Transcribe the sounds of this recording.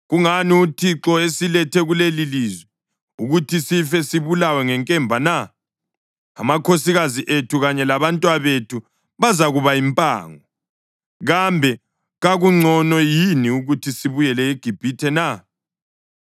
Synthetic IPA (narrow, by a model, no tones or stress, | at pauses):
ɣuŋaniutʰiǁɔesilɛtʰɛɣuleliliːzwɛ | uɣutʰisifɛsiβulawɛŋɛŋkʼɛmbʱana | a̰makʰosiɣaziʔetʰuɣaɲɛlaβantʼwaβetʰu | βazaɣuβaimpʼa̰ːŋɔ | ɣambʱɛ | ɣaɣuŋ͡ǀʱɔnɔjiniuɣutʰisiβujɛlɛiɡ̥ʱib̥ʱitʰɛna